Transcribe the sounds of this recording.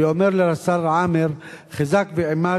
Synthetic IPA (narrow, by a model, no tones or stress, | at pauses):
omeɾleɾasaɾˤʕameɾχazakbeʕima